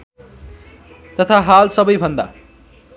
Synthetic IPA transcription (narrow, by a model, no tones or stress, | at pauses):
t̪ʌt̪ʰaɦalsʌbʌjbʱʌnd̪a̰